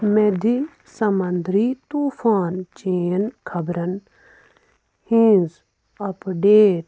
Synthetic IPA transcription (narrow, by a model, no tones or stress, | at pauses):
med̪ʱi | sɐmɐnd̪ɾiːt̪uːfaːnt͡ʃeːnkʰɐbɾɐn | hĩːz | ɐpɖeːɾ